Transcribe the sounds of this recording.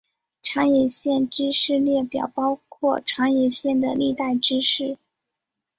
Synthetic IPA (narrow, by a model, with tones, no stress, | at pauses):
ʈ͡ʂʰɑ˧˥ŋjɛ˧˥ɕjɛ˥˩nʈ͡ʂɻ̩˥ʂɻ̩˥˧ljɛ˥˩pjɑ̰˨˩ʊpɑ˥ʊkʰwɔ˥˩ʈ͡ʂʰɑ˧˥ŋjɛ˧˩ɕjɛ˥˩nd̪ə˩li˥˧t̪a˥˩ɪʈ͡ʂɻ̩˥ʂɻ̩˥˩